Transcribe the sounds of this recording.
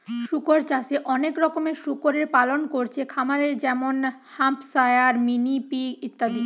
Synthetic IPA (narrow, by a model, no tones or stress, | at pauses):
ʃukoɾt͡ɕaseʔɔnekɾɔkomeʃukoɾeɾpalonkoɾt͡ɕʰekʰamaɾeɾd͡ʑɛmon | hampsajaɾminipiit̪ːad̪i